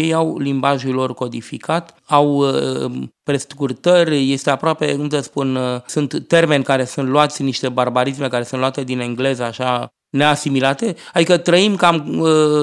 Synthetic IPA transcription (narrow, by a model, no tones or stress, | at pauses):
jejawlimbaʒulo̞rko̞d̪ifikat̪ | aw | pɾe̞st̪kurt̪ərʲje̞st̪e̞apɾoape̞kumt̪əspunsunt̪ːe̞rme̞nʲkaɾe̞sunt̪loat̪sʲniʃt̪e̞barbaɾisme̞kaɾe̞sunloat̪e̞d̪ineŋɡle̞zəaʃa | ne̞asimilat̪e̞ad̪ikət̪ɾəimkamə